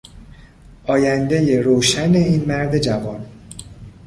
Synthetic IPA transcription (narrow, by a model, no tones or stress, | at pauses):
ʔɒːjænd̪e̞je̞ɾoːʃæne̞iːnmæɾd̪e̞d͡ʒævɒn